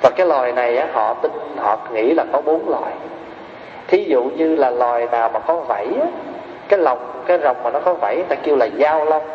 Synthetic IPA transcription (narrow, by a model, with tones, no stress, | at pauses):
vaː˨˩kaː˨˦jlɔ˨˩jna˨˩jʔaː˨˦hɔ̰˧˨t̪ï˧ŋnhɔ̰˧˨ŋḭ˧˥laː˨˩kɔ˨˦ɓu˨˦ənlwɔ̰˨˩j | t̪ʰi˨˦zṵ˧˨ɲɨ˧laː˨˩lɔ˨˩jnaː˨˩wmaː˨˩kɔ˨˦və̰˧˩˨jaː˨˦ | kaː˨˦jlə˨˩wŋ͡mkaː˨˦jzə˨˩wŋ͡mmaː˨˩nɔ˨˦kɔ˨˦və̰˧˩jʔt̪aː˧ki˧əwlaː˨˩zaː˧wlə˧wŋ͡m